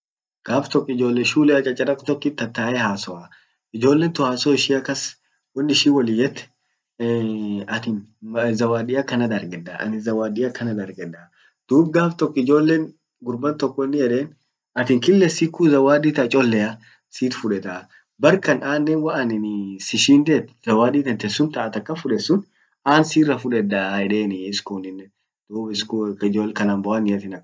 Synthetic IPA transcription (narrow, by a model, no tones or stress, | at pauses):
ɡ̥aːft̪ɔkːɪd͡ʒoːlːeʃuːlɛɐt͡ʃʼɐt͡ʃʼɐɾɐkt̪ɔkːɪt̪ːɐt̪ːaːʔɛhaːsɔʔɐ | ɪd͡ʒo̞ːlːeːnt̪ʊhaːsoːɪʃiːɐkːɐs | wɐnːɪʃiːwɐlɪjɛt̪ː | ɐt̪ɪnzɐwaːdɪjɐkːɐnɐd̪ɐɾɡɛd̪ɐʔɐ̰nɪzɐwaːd̪ɪjɐkʰɐnɐd̪ɐɾɡɛᶑ̪ɐ | d̪̥uːbɡaːft̪ɔkːɪd͡ʒo̞ːlːeːn | ɡʊɾbɐnt̪ɔkːɔɪnːɪjɛᶑeːn | ɐt̪ɪŋkɪlːɛsikːuzɐwaːd̪iːt̪ɐt͡ʃʼɔlːɛɐ | siːt̪fʊᶑɛt̪a | bɐɾkɐnaːnːeːnwɐʔɐnɪnɪsɪʃiːnd̪eːt̪z̥ɐwaːd̪iːt̪ɐnt̪ɛsːʊnt̪ɐʔɐt̪ɐkːɐfʊᶑɛsːʊn | aːnsiːrːɐfʊᶑɛd̪aɛᶑeːnɪɪskunɪnːɛ | d̪̥uːbɪskːɪd͡ʒoːlkɐnanbɔɐnɪɐt̪ɪnɐ